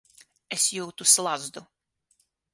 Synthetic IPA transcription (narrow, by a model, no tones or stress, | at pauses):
ɛsjuwt̪uslˠazd̪ʊ